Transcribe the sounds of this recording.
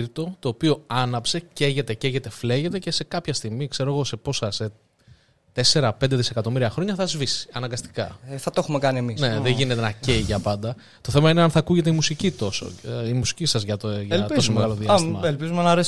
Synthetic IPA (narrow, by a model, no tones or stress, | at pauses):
ɾt̪o̞t̪o̞ːpio̞ɐnɐpse̞ce̞ʝe̞t̪e̞ceʝe̞t̪e̞fle̞ʝe̞t̪e̞ce̞se̞kɐpçɐst̪iɣmikse̞ɾo̞ɣo̞se̞po̞sɐse | t̪e̞se̞ɾɐpe̞nd̪e̞ðise̞kɐt̪o̞miɾiɐxɾo̞ɲɐθɐzvisi̥ɐnɐŋɡɐst̪i̥kɐθɐt̪oxumekɐniemisne̞ðeʝine̞t̪enɐce̞iʝɐpɐnd̪ɐ | t̪o̞θe̞mɐineɐnθɐːkuʝe̞t̪eimusicit̪o̞so̞̰imusi̥cisɐzʝɐt̪oʝɐltos̬omeɣɐlo̞ðiɐsimɐelpizumenɐɐɾes